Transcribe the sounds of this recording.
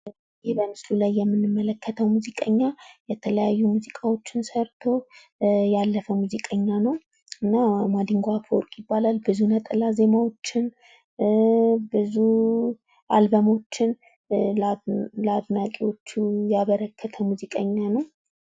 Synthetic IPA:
jihbəmɨslulajːɛmːɨnːɨmːələkːət̪ʰəwmuzikʼəɲːajɛt̪ʰələjajːumuzikʼawo̞t͡ʃːɪnsəɾt̪ʰo̞ | jalːəfəmuzikʼəɲːanəw | ɨnːamad̪ɨŋɡoafowɾkʼjɪbːalalbɨzunət̪ʼəlaze̞mawo̞t͡ʃːɪn | bɨzu | ʔa̰lbəmo̞t͡ʃːɪn | lad̪nakʼewo̞t͡ʃːujaβəɾəkʰːət̪ʰəmuzikʼəɲːanəw

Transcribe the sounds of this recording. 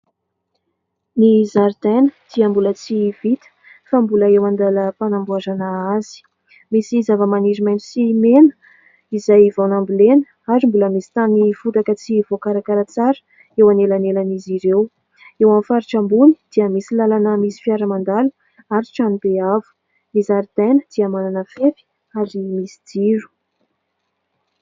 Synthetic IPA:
nizaɾd̪̥enəd̪̥iəmbulət͡siv̥it̪ə̥ | fambuləewand̪aləpanambuazanaaz̥i̥ | misizavəmaniɾimajnisimenə̥ | izajvawnambulenə | aɾimbuləmisi̥t̪anifut̪akət͡siv̥okaɾakaɾat͡saɾə̥ | ewanelanelaniziɾew | ewamfaɾiʈ͡ʂambuni̥d̪̥iəmisilalanəmisi̥fjaɾəmand̪alu | aɾiʈ͡ʂanibeavu̥ | misaɾd̪̥anəd̪̥iəamananəfefi̥ | aɾimisi̥d̪iɾu̥

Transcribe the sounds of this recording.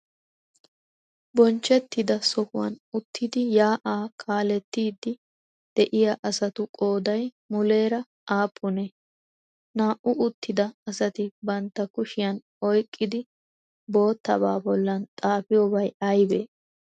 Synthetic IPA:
bɔnt͡ʃːɛt̪ːɪd̪ɐsɔfʊwɐ̰nʊt̪ʰːɪd̪ɪjaːʔaːkʰaːlɛt̪ːiːd̪ːɪ | d̪̥ɛʔɪjɐʔɐsɐt̪ʊkʼo̞ːd̪ɐj | mʊle̞ːɾɐ | ʔaːpʰːʊnɛ | naːʔʊʊt̪ːɪd̪ɐːsɐt̪ɪbɐnt̪ːɐkʊʃɪjɐn | ɔjkʼːɪd̪ɪ | bo̞ːt̪ːɐ̰ba̰ːbɔlːɐnt̪ʼaːfɪjobɐjɐjbeː

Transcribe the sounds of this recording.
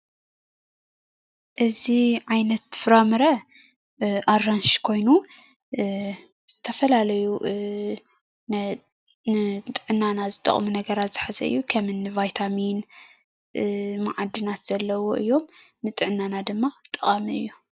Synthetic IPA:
ʔɨziʕajnɐt̪fɨɾamɨɾɐ | ʔaranʃkʰo̞jnu | z̥ɨt̪ʰɐfɐlalɐju | nɨt̪ʼɨʕɨnːanazɨt̪ʼɐ̰χʼmunɐɡɐɾat̪z̥ɨħazɐ̰ɨ̰jːukʰɐmɨnːɨvajt̪ʰamin | maʕad̪ːɨnat̪z̥ɐlːɐwoʔɨ̰jːo̞m | nɨt̪ʼɨʕɨnːanad̪ɨmːat̪ʼːɨχʼamiɨ̰jːu

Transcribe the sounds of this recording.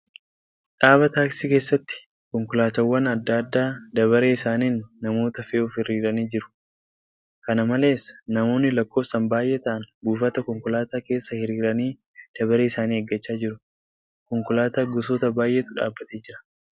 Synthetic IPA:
ᶑaːβɐt̪aːksike̞ːsːɐt̪ːɪ̥ | kɔŋkʊlaːt̪ɐwːɐnɐd̪ːaːd̪ːaːd̪ɐβɐɾeːɪsaːniːnːɐmo̞ːt̪ɐfeːʊfhɪrːiːɾɐniːd͡ʒɪɾʊ̥ | kɐnɐmɐle̞ːsnɐmo̞ːnːɪlɐkːo̞ːfsɐmbaːjʔeːt̪ɐʔɐnbuːfɐt̪ɐkɔŋkʊlaːt̪aːke̞ːsːɐhɪɾiːɾɐniː | d̪̥ɐbɐɾeːɪsaːniːɛɡːɐt͡ʃːaːd͡ʒɪɾʊ | kɔŋkʊlaːt̪aːɡʊsoːt̪ɐbaːjʔe̞ːt̪ʊᶑa̰ːbːɐt̪eːd͡ʒɪɾɐ̥

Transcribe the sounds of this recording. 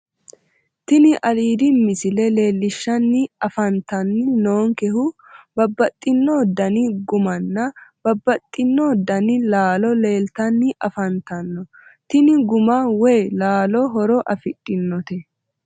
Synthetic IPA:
t̪ɪnɪʔɐliːd̪ɪmɪsɪlɛle̞ːlːɪʃːɐnːɪɐfɐnt̪ɐnːɪnoːŋkɛhʊ | bɐbːɐt̪ʼːɪnːɔd̪ɐnɪɡʊmɐnːɐb̥ɐbːɐt̪ʼːɪnːɔd̪ɐnɪlaːlɔle̞ːlt̪ɐnːɪʔɐfɐnt̪ɐnːɔ | t̪ɪnɪɡʊmɐwɛjlaːlɔɦɔɾɔʔɐfɪtʼːɪnːɔt̪ɛ

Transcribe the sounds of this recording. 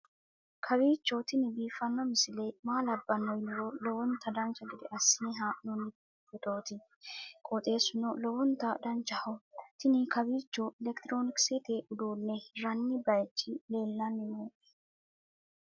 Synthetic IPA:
kʰɐbiːt͡ʃːɔt̪ɪnɪbiːfɐnːɔmɪsɪlɛjmaːlɐbːɐnɔjnɪɾɔlɔwɔnt̪ʰːɐd̪ɐnt͡ʃːɐɡɪd̪ɛʔɐsːiːɦaːnɔnːɪ | bɛt̪ʼoːt̪ɪ | kʼɔt̪ʼe̞ːsʊnɔlɔwɔnt̪ːɐd̪ɐnt͡ʃːɐhɔt̪ɪnɪkɐbiːt͡ʃːɔɛlɛkt̪ɪɾoːnɪksɛt̪eːʔʊd̪uːnːɛɾɐnːɪbɐjt͡ʃːɪleːlːɐnːɪmoːʔɛ̥

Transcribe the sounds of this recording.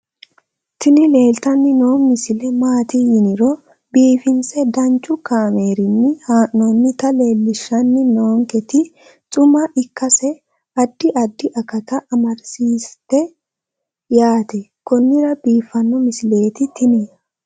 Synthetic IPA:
t̪ɪnɪle̞ːlt̪ɐnːɪnoːmɪsɪlɛmaːt̪ijɪnɪɾɔ | biːfɪnsɛd̪ɐnt͡ʃʼːʊkaːme̞ːɾɪnːɪhaːʔnonːɪt̪ɐle̞ːlːɪʃːɐnːɪnoːŋkɛt̪ɪ | t͡sʼʊmɐʔɪkːɐsɛ | ɐd̪ːɪʔɐd̪ːɪʔɐkɐt̪ɐʔɐmɐɾsiːst̪ːɛ | jaːt̪ɛkɔnːɪɾɐbiːfːɐnːɔmɪsɪle̞ːt̪ɪt̪ɪnɛ

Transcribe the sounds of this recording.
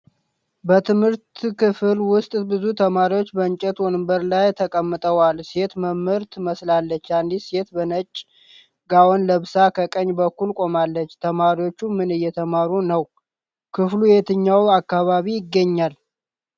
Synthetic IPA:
bət̪ʰɨmhɨɾt̪kɨfɨlwʊst̪ʼbɨzut̪ʰəmaɾiwo̞t͡ʃːbəɨɲt͡ʃʼɛt̪wonɨmbəɾlajt̪ʰəkʼəmːɨt̪ʼəwalse̞t̪məmɨɾt̪məslalːət͡ʃːand̪ise̞t̪bənət͡ʃʼ | ɡawonləβsakʰəkʼəɲːbəkːulkʼo̞malːət͡ʃːt̪ʰəmaɾiwo̞t͡ʃːumɨnɨjːɛt̪ʰəmaɾunəw | kʰɨflujet̪ʰɨɲːawakːaβaβijɪɡːəɲːal

